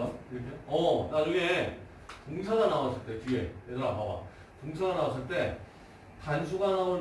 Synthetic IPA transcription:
iɾʌkʰejoʌnaɯɡe̞ | toŋsʰaɡanawas͈ɯɭt͈e̞t͡ɕie̞̰edʌɾapaba̰ | toŋsʰaɡanawas̬͈ɯɭt͈e̞ | tansʰuɡanaon

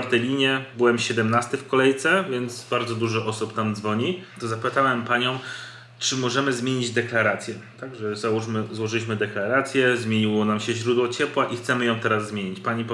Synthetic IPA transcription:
aɾt̪ɛlʲiɲɛbɘwɛmɕɛd̪ɛmnast̪ɘfkɔlɛjt̪sɛvʲjɛnd̪zbaɾd̪zɔd̪uʐɛʔɔsupt̪amd̪zvɔɲit̪ɔzapɘt̪awɛmpaɲɔ̃w̃ | t͡ʂɘmɔʐɛmɘzmʲeɲid͡ʑd̪ɛklaɾat̪sʲjɛt̪aɡʐɛzauʂmɘzwɔʐɘlʲiɕmɘd̪ɛklaɾat̪sʲjɛzmʲjeɲiwɔnamɕɛʑɾud̪wɔt͡ɕɛpwaʔixt̪sɛmɘjɔ̃w̃t̪ɛɾazːmʲjeɲit͡ɕpaɲip

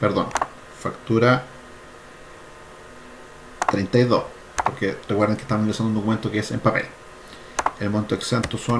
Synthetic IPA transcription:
peɾðo̞̰n | fakt̪uɾa | t̪ɾejnt̪ajðo̰s | poɾkerekweɾðeŋkeht̪amosnelisand̪und̪okume̞nt̪o̞keese̞̰mpape̞̰l | elmont̪oeksent̪oso

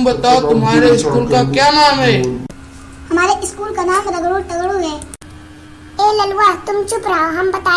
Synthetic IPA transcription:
bɐt̪aot̪ʊmɦaːɾeɪskuːlkakjanaːmɦɛː | hɐmaːɾeʔɪskuːlkanaːsɾəɡɽuʈɐɡɽũɦɛː | elɐlʋat̪ʊmt͡ʃupɾaɦɐmbɐt̪aː

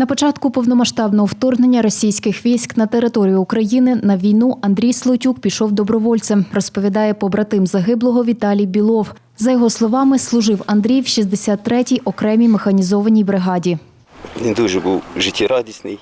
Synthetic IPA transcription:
nɐpɔt͡ʃɑt̪kʊpɔwnɔmɐʃt̪ɑbnɔɦɔwt̪ɔrɦne̞nʲːɐɾɔsʲijsʲkɪxʋʲijsʲknɐt̪eɾɪt̪ɔɾʲijʊːkɾɐjinɪnɐʋʲijnuʔɐnd̪ɾʲijslˠɔtʲuk̚pʲiʃɔwd̪ɔbɾɔʋɔlʲt̪sɛmrɔspɔʋʲid̪ɑjɛpɔbɾɐt̪ɪmzɐɦɪblˠɔɦɔʋʲit̪ɑlʲijbʲilˠɔw | zɐjɔɦɔslˠɔʋɑmɪslˠʊʒɪwɐnd̪ɾʲijwʃizd̪esʲat̪ːɾɛtʲijʔɔkɾɛmʲimexɐnʲizɔʋɐnʲijbɾɪɦɑdʲi | ʋʲind̪uʒɛbuwʒɪtʲiɾɑdʲisʲnɪj

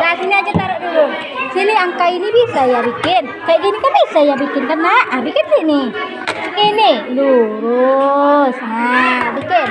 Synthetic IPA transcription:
ɡasiniad͡ʒat̪aɾɛʔdulʊŋ | siniaŋkainibisajabikɪn | kajaʔɡinikanbisajabikɪnkanːaabikɪnsɪhnɪ | iniluɾʊ | snabikɪn

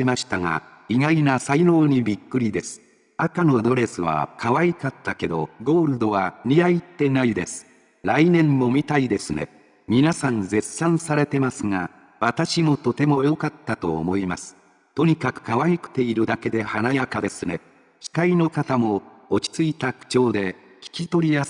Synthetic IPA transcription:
emaɕi̥t̪aŋa̰ | iŋainasaino̞ːɲ̟ibʲikːɯ̟ɾʲid̪e̞sɨ̥ | akano̞d̪o̞ɾe̞sɨβa̰kʰaβaikat̪ːake̞d̪o̞̰ɡo̞ːɾɯ̟d̪o̞βaɲijait̪ːe̞naid̪e̞sɨ̥ | ɾainẽ̞mːo̞mʲit̪aid̪e̞sɨne̞̰ | mʲinasãnd͡ze̞sãɰ̃saɾe̞t̪e̞masɨŋa | βat̪aɕimo̞t̪o̞t̪e̞mo̞jo̞kat̪ːat̪o̞̰ːmo̞imasɨ̥ | t̪o̞ɲ̟ikakɯ̟̥kaβaikɯ̟̥t̪e̞iɾɯ̟d̪ake̞d̪e̞hanaiakad̪e̞sɨne̞̰ | ɕi̥kaino̞kat̪amo̞ː | t͡ɕi̥t͡sɨit̪akɯ̥t͡ɕo̞ːd̪e̞ | kʲi̥kʲit̪o̞ɾʲijas

